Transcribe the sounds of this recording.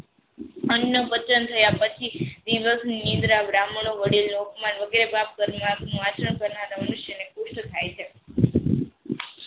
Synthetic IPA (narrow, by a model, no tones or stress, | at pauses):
ənjəbət͡ʃənt̪ʰəjapət͡ʃʰid̪iʋəsnnĩnd̪ɾaʋɾamɳ̃oʋəɽilnoukmanʋəɡeɾebap̚kəɾmãknũat͡ʃəɳkəɾnaɾamənuʃjənekʊʃʈt̪ʰajt͡ʃʰe